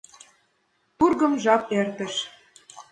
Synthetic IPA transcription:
t̪urɣɤ̆mʒɑk̚ert̪ə̆ʃ

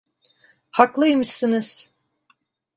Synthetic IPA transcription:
haklˠɯjmɯsɯnɯz̥

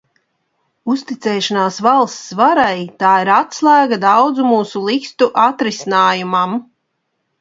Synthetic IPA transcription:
ust̪it̪sɛːʃanaːsvalˠst̪svaɾajt̪aːiɾat̪slˠæːɡad̪awd̪zumuːsulˠikst̪uʔat̪ɾisinaːjumam

